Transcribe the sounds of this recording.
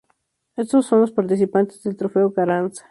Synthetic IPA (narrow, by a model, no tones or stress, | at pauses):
est̪osːo̞nlospaɾt̪is̬ipant̪ezðelt̪ɾofeokaɾansḁ